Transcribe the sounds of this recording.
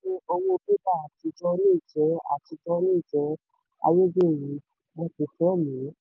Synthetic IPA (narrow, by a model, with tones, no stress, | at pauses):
ĩ˦o˧wo˧bi˦ba˦˨a˨ti˧d͡ʒɔ˧nĩ˦˨d͡ʒɛ˨˦a̰˨ti˧d͡ʒɔ˧˦nĩ˦˨d͡ʒɛ˨˦ | a̰˧je˦d͡ʒe˦˨jĩ˨˦ | mɔ̃˧ti˧fɛ˦˨mĩ˨˦